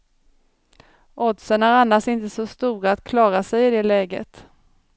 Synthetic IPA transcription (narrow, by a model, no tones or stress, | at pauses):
ɔd̪səɳæɾanːaʂɪnt̪əsɔst̪uːɾaːt̪kʰlɑːɾasɛjɪd̪ɛlɛːɡə̰t̪